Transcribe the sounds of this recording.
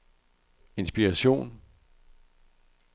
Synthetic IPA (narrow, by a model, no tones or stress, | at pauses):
e̝nsb̥iʁɑɕo̝̰ːn